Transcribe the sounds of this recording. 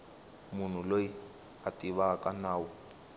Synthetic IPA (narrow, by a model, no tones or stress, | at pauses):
mun̤uloji | atiβakʼanaːwɔ